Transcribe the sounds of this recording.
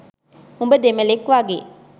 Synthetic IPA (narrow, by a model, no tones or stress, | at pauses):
umbəd̪emɐlekːʋaːɡḛ